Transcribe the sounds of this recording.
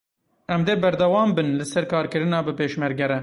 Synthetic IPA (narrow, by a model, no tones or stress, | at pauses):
ɛmd̪eːbɛɾd̪ɛwɑːmbɨnlɨsɛɾkɑːɾkɨɾɨnɑːbɨpeːʃmɛɾɡɛɾɛ